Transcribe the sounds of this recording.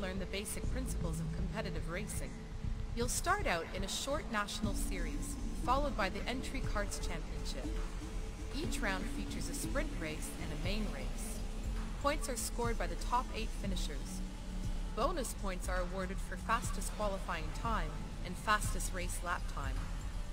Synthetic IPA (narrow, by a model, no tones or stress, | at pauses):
lɜ̃˞nðɨbeɪsɨk̚pʰɹ̥ɪ̃nsə̥pl̩ˠzʌv̥kʰm̩pʰɛɾɨɾɨvɹeɪsɪ̃ŋ | julˠstɑɹɾaʊɾɨ̃nɨʃɔɹtⁿnæʃn̩l̩ˠsɪɹiz̥fɑlˠoʊd̚baɪðiʔɛ̃nt͡ʃɹ̥ikʰɑɹtst͡ʃʰæ̃mpiɨ̃nʃɪp | it͡ʃɹãʊ̃nd̥fit͡ʃə˞zɨspɹɪ̃nʔɹeɪsɨ̃nɨmẽɪ̃nɹeɪs | pʰɔ̃ɪ̃ntsə˞skɔɹd̚baɪðɨtʰɑpeɪtfɪ̃nɨʃə˞z̥ | b̥õʊ̃nɨspʰɔ̃ɪ̃ntsə˞əwɔɹɾɨd̥fə˞fæstɨskʰw̥ɑlˠəfaɪɪ̃ŋtʰãɪ̃m | ʔɨ̃nfæstɨsɹeɪslæp̚tʰãɪ̃m